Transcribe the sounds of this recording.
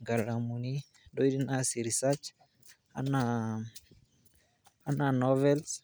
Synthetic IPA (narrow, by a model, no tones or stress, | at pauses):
ŋɡalamuni | doidinasiɾisat͡ʃ | a̰na | ananɔvɛls